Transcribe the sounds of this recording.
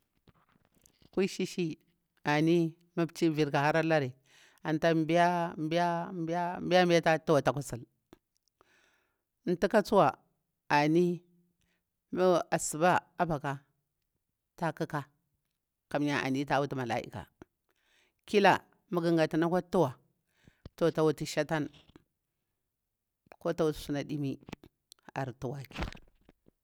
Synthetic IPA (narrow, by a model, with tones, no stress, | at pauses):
kʷi˦ʃi˦ʃi˦ | a˨ni˦ | ma˦bt͡ʃi˦vi˨ɾka˨ha˦ɾa˦la˦ɾi˨ | a˨nta˦m˦bi˦ja˦m˦bi˦a˦mba˦m˦bi˦ja˦m˦bi˦a˦ta˦tu˦wa˨ta˨ku˦sa˨l | n̩˨˦ti˦ka˦t͡su˦wa˨ | a˨ni˦ | ma˦a˨su˨ba˦a˦ba˨ka˨ | ta˦ka˦ka˦ | ka˨m˦ɲa˦ʔa̰˨ni˦ta˦wu˦ti˦ma˨la̰˦ʔḭ˦ka̰˨ | ki˦la˨ | ma˦ɡi˦ŋɡa˨ta˨na˦kʷa˦tu˦wa˨ | to˨ta˨wu˦ti˦ʃa˦ta˦n | ko˦ta˦wu˨ti̥˨su˦na˨ɗi˦mi˦ | a̰˨ɾtu˨wa˨ki˦˨